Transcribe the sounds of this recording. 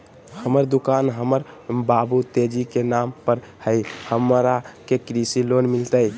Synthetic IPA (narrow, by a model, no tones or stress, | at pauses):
həməɾd̪ukanɦəməɾ | babut̪ed͡ʒikenampəɾ | həɪhəmɾakekɾisilonmilt̪əj